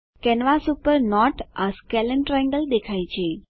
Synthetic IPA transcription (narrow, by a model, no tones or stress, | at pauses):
kɛnʋasupəɾnɔʈəskɛlə̃ɳʈɾɛə̃ŋɡəld̪ekʰajt͡ʃʰe